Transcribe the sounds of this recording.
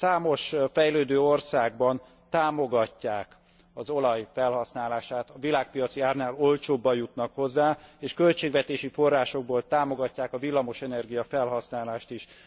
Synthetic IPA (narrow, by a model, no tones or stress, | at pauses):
saːmo̞ʃfɛjløːd̪øːorsaːɡbɒn | t̪aːmo̞ɡɒcːaːk | ɒzo̞lɒjfɛlhɒsnaːlaːʃaːt̪ɒvilaːk̚pijɒt̪siaːrnaːlo̞lt͡ʃoːbːɒjut̪nɒkho̞zːaːeːʃkø̞lt͡ʃeːɡvɛt̪eːʃifo̞rːaːʃo̞ɡ̚boːlt̪aːmo̞ɡɒcːaːkɒvilːɒmo̞ʃɛnɛrɡijɒfɛlɦɒsnaːlaːʃt̪iʃ